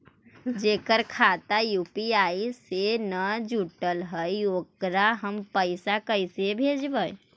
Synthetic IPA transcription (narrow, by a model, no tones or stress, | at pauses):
d͡ʒeːkəɾkʰat̪ajuːpiaːisenəd͡ʒuʈəlɦəioːkɾaɦəmpəɪsakəɪsebʱeːd͡ʒbəj